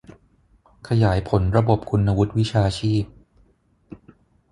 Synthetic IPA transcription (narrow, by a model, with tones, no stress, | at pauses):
kʰa˧jaː˩˦jpʰo˩˦nɾa˧bo˨˩p̚kʰu˧nːa˧wu˦˥t̪̚wi˦˥t͡ɕʰaː˧t͡ɕʰiː˥˩p̚